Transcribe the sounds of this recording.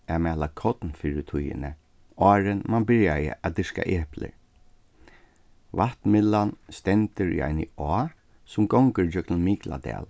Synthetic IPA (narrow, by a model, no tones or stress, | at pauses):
ɛmɛːlakʰɔt̪nfiɹɪt̪ʰujɪ̰nə | ɔːɹɪnmanbɪɹjajə̰ʔad̪ɪska̰ʔɛːhplə̰ɹ | vat̪mɪlːanst̪ɛnt̪əɹḭʔa̰ɪnəɔː | sʊmɡɔŋkəɹd͡ʒœknmiːkla̰d̪ɛ̰ːl